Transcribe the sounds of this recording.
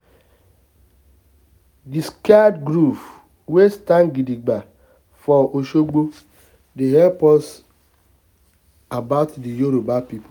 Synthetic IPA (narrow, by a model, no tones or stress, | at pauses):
diskadɡɾuf | westanɡidiɡ͡ba | fɔoʃoɡ͡bo | deɦɛpɔs | abaʊtdijuɾobapip